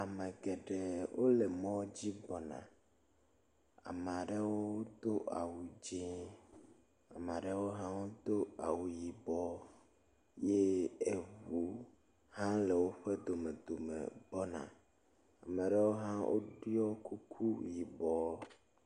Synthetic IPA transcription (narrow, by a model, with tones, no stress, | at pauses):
a˨mɛ̃˨ɡɛ˨ɖe˨wo˦le˨mɔ̃˦d͡ʑi˦bɔ˨nã̰˨ | a̰˨me˨a˨ɖe˦wo˦d̪o˦ʔa̰˨wu˨d͡ʒẽ˦ | a˨me˨a˨ɖe˦wo˦ɦã˦wo˦d̪o˦a˨wu˨ji˨bɔ˦ | je˦e˨βu˨ | hã˦le˨wo˦ɸe˦d̪o˨me˨d̪o˨mḛ̃˨bɔ˦nã̰˨ | a˨mɛ˨ɖe˦wo˦ɦã˦wʔo̰˦ɖu˦ɔ˦ku˦kʰu˦ji˨bɔ˦